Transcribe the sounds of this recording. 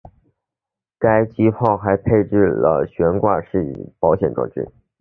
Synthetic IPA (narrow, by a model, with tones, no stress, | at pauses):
ka˥ɪt͡ɕi˥pʰɑ˥˩ʊxa˧˥ɪpʰe˥˧ɪʈ͡ʂɻ̩˥˩lə̰˩ɕɥɛ˧˥nkwa˥˧ʂɻ̩˥˩ḭ˨˩pɑ˧˥ʊɕjɛ˨˩nʈ͡ʂɤ̰˥˩ʈ͡ʂɻ̩̰˥